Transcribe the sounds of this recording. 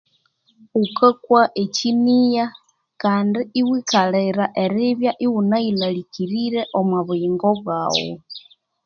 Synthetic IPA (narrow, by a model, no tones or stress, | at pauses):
ukakwaʔecinija | kaːndiiwikaleɾaʔeɾiβjaʔiwunailalikiɾiɾeʔomwaβuiːŋɡoβwa̰wo̰